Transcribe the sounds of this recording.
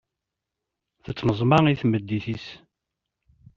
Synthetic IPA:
θət͡sːnəzˤmɑiθməd̪ːiθis

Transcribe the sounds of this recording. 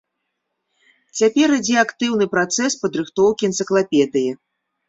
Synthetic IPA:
t͡sʲapʲɛɾɨd͡zʲɛakt̪ɨwnɨpɾat̪sɛspɐd̪ɾɨxt̪ɔwkʲiɛnt̪sɨklˠapʲɛd̪ɨji

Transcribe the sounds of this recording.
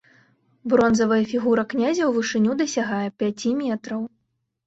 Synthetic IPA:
bɾɔnzɐvɐjɐfʲiɣuɾɐknʲazʲɐwvɨʂɨnʲud̪ɐsʲaɣajɛpʲat͡sʲimʲɛt̪ɾɐw

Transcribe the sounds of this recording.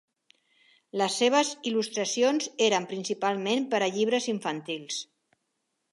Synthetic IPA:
ləsːeβ̞əzilust̪ɾəsionzeɾəmpɾinsipalˠmempəɾəʎiβ̞ɾəziɱfənt̪ilˠs

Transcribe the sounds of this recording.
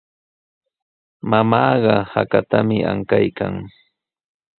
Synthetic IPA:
mamɑːɢɑhakat̪amɪʔaŋkajkaŋ

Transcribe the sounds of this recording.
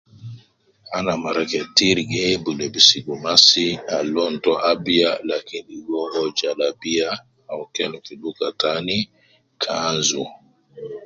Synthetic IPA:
anamaɾakɛtiɾɡɛbulɛbisiɡumasialɔntɔʔabialakinɗiwɔɡɔd͡ʒalabija | awkɛlɔkiɗukatani | kʰanzu

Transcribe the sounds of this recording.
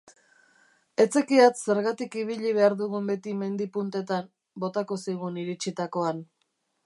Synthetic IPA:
e̞t͡se̞kiat͡s̪se̞ɾɣat̪ikiβiʎiβ̞e̞aɾðuɣumbe̞t̪ime̞nd̪ipunt̪e̞t̪am | bo̞t̪ako̞sajɣuniɾit͡ʃit̪ako̞an

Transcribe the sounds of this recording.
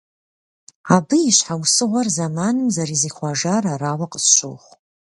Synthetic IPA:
abɨiʃħawsɨʁʷarzamanɨmzaɾiziχʷaʒaɾarawaqʼəsʃʷo̰wχʷ

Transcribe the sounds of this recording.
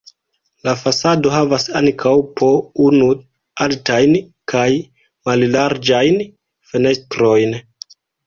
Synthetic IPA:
lafasado̞ɦavasaŋkʰawpʰo̞unu | altajn | kʰaj | mallaɾd͡ʒajn | fe̞ne̞stɾo̞jn

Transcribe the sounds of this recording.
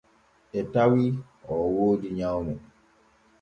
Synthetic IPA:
etawi | ɔwod͡ʒiɲaɔmʊ

